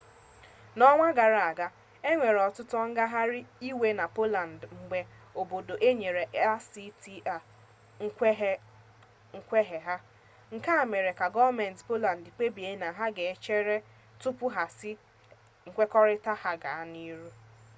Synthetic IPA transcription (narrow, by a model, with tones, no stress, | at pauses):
nɔ˦ŋʷa˦ɡa˨ɾa˨a˨ɡa˦ | e˦ŋʷe˨ɾɔ˨tʊ˦tɔ˦ŋ̩˦ɡa˦ɦa˦ɾɪ˦i˦we˦na˨po˦la˨n̩˨dŋ͡m̩˨ɡ͡be˦ | o˨bo˨do˨ʔe˦ɲe˨ɾe˨ʔɛ˦si˦ti˦a˨ | ŋ̩ʷ˦ɦ | ŋ̩˦kʷe˦ɦe˨ɦa˦ | ŋ̩˨ka˦a˨me˨ɾe˨ka˨ɡɔ˦me˨n̩˨tpo˦la˨n̩˨di˨k͡pe˦bi˨e˦na˨ɦa˦ɡe˨e˦t͡ʃe˦ɾe˦ | tʊ˦pʊ˦ɦa˨sɪ˦ | ŋ̩˨kʷe˦kɔ˦ɾɪ˦ta˦ha˦ɡa˨a˦ni˦ɾu˦